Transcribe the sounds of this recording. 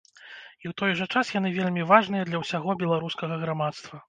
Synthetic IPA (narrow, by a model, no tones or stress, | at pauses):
iwt̪ɔjʐɐt͡ʂasjan̪ɨvʲelʲmʲivaʐnɨjɐd̪lʲɐwsʲaɣɔbʲɛlˠaɾuskɐɣɐɣɾamat̪st̪vɐ